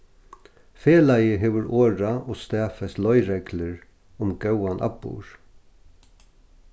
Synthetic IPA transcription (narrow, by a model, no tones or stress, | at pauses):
feːlajəɦɛʋʏɾoːɾaɔst̪ɛːfɛslɔjɾɛklɪɹ | ʊmɡœwanʔa̰pːṵːɹ̥